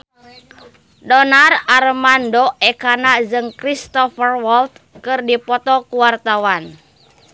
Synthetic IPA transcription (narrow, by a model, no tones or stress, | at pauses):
dɔnararmandoʔɛkanad͡ʒɨŋkɾist̪ɔfərwɔlt̪kɨrdipɔt̪ɔkuwart̪awan